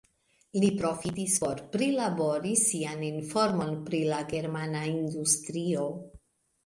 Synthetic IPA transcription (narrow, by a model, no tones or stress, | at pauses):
lipɾo̞fitispo̞ɾpɾilabo̞ɾisianinfo̞ɾmo̞npɾilaɡe̞ɾmanaindustɾio̞